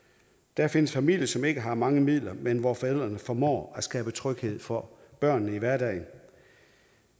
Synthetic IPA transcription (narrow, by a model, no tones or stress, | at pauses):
d̥æɐfe̝nəsfæmil̰jəsɒ̽me̝ɡ̥əɦɑ̈mɑ̈ŋəmið̞̰ˠlɐmenʋɒfɒel̰ˠd̥ʁɐnəfɒmɒ̰ːæsɡ̥ɛːb̥ət͡sʰʁœɡ̥he̝ð̞̰ˠfɒ̽ | b̥ɶɐ̰nːəiʋæɐdɛ̰ːɪn